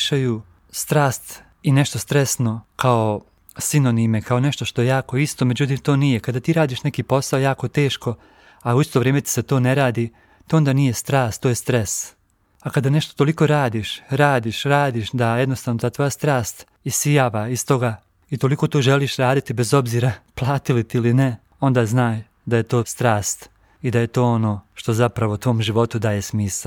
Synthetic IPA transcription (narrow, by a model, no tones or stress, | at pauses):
ʃaju | st̪ɾaːst̪ | ineʃt̪o̞st̪ɾesno̞kʰao | sino̞nime̞kʰao̞neʃt̪o̞ʃt̪o̞jejaːko̞ist̪o̞me̞d͡ʑut̪iːmt̪o̞ːnijekad̪aːt̪iːɾaːd̪iːʃnekiːpo̞sao̞jaːko̞t̪e̞ːʃko̞ | auist̪o̞ʋɾeːmet̪i̥set̪o̞ːneɾaːd̪iː | t̪oond̪aːnije̞st̪ɾaːst̪ːoːjest̪ɾes | akad̪aneʃt̪ot̪o̞liko̞ɾaːd̪iːʃɾaːd̪iːʃɾaːd̪iːʃd̪ajed̪nost̪aːʋnot̪at̪ʋo̞ːjast̪ɾaːst̪ | isijaːʋaist̪o̞ɡa | it̪o̞liko̞ːt̪oːʒeliːʃɾaːd̪it̪ibezo̞bziːɾaplˠaːt̪ilit̪iiline | o̞nd̪aːznaːj | d̪aje̞t̪o̞ːst̪ɾaːst̪ | id̪aje̞t̪o̞ːo̞no̞ːʃt̪o̞zapɾaʋot̪ʋo̞ːmʒiʋo̞t̪ud̪aːje̞smiːsal